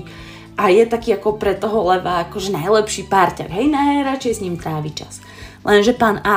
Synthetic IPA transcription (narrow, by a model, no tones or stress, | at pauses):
ʔajɛt̪akiːakɔpɾɛt̪ɔɦɔlɛʋaːkɔʒɛnajlɛpʃiːpaːɾca̰ɡɦɛjnajɾat͡ʃɛjsɲiːmt̪ɾaːʋit͡ʃa̰s | lʔɛnʒɛpaːna